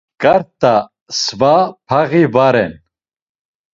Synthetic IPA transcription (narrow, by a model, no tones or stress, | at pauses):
kaɾt̪a | svapʰaɣivaɾɛn